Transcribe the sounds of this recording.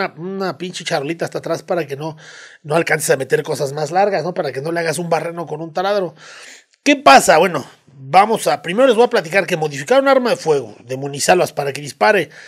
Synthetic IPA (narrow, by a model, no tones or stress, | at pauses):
anapint͡ʃit͡ʃarolit̪aːst̪at̪ɾaspaɾake̞no̞no̞alkansesame̞t̪e̞ɾko̞sazmazlaɾɣasno̞paɾake̞no̞leaɣasumbareno̞ko̞nunt̪alaðɾo̞ | ke̞pasaβwe̞no̞ | bamo̞sapɾimeɾo̞lezβo̞aplat̪̬ikaɾke̞mo̞ðifikaɾunaaɾmaðe̞fwe̞ɣo̰ðe̞mũnisalaspaɾake̞ðispaɾe̞